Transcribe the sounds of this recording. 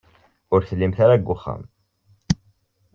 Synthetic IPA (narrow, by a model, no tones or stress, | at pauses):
ʊɾθəlːimθaɾaɡʷːʊχːa̰m